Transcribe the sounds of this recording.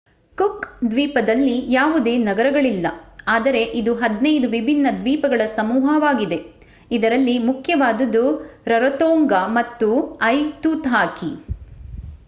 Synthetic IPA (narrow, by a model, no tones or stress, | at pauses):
kukd̪ʋiːpɐd̪ɐlːijaːʋud̪e̞ːnɐɡɐɾɐɡɐɭilːɐaːd̪ɐɾe̞ʔid̪uɦɐd̪nejd̪uʋibʱinːɐd̪ʋiːpɐɡɐɭɐsɐmuːɦɐʋaːɡid̪e̞ | id̪ɐɾɐlːimukʰjɐʋaːd̪ɐd̪uɾɐɾɐt̪oːŋɡamɐt̪ːuɐjt̪ut̪ɦaːki